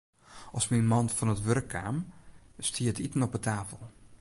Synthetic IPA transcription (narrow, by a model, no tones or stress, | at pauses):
ʔɔsminmɑntfɔnətʋørkʰːaːmstʰiətitənɔpətʰaːfəlˠ